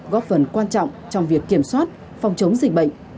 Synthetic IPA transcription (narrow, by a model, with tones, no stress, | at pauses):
ɣɔ˦˥p̚fə˨˩nkwaː˧nt͡ɕɔ̰˧˨wŋ͡mt͡ɕɔ˧wŋ͡mvi˨˩əkːi˧˩əmswaː˦˥t̚ | fɔ˧wŋ͡mt͡ɕə˨˦wŋ͡mzi˨˩k̟̚ɓə̰˧˨ŋ̟